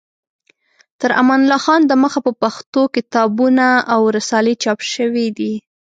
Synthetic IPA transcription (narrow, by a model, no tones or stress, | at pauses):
t̪əɾa̰manlɑxɑnd̪əməxapəpaxt̪okɪt̪ɑbunaawɾasɑlet͡ʃɑpʃəwid̪i